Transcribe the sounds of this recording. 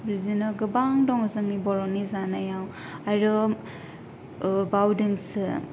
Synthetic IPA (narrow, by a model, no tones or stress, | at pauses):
bɾizinaɡɯbaŋdɔŋɯzɯŋnibɔɾɔnizanajaw | aɾɯ | bawdɯŋsɯ